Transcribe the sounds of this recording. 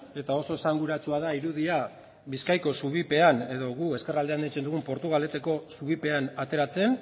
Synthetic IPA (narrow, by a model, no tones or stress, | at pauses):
e̞t̪ao̞so̞esaŋɡuɾat͡suaðaiɾuðia | βiskajko̞suβ̞ipe̞ane̞ðo̞ɣue̞ske̞rald̪e̞and̪it͡se̞nd̪uɣumpo̞ɾt̪uɣ̞ale̞t̪eko̞suβ̞ipe̞anat̪e̞ɾat͡se̞n